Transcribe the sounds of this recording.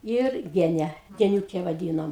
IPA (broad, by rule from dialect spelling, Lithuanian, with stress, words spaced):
ˈɪr ˈɡʲæːnʲɛ ɡʲɛnʲuːˈkʲɛ ʋɐˈdʲiːnoːm